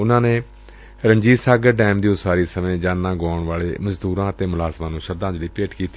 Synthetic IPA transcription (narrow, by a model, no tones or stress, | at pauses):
ʊnãːneː | ɾəɲd͡ʒiːsaːɡəɖɛːmd̪iːʊsaːɾiːsəmẽːd͡ʒaːnːãːɡɔːɳʋaːɭeːməzd̪uːɾãːət̪eːmʊlaːzmãːnũːʃəɾd̪ãːd͡ʒliːpeːʈkiːt̪i